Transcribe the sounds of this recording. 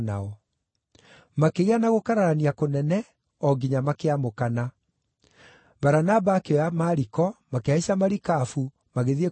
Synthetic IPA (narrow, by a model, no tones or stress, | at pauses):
na̰ɔ | makeɣeanaɣokaɾaɾaniakonɛnɛ | ɔɡiɲamakeamokana | baɾanabakeɔjamaɾikɔmakeaiɕamaɾikafu | maɣeðie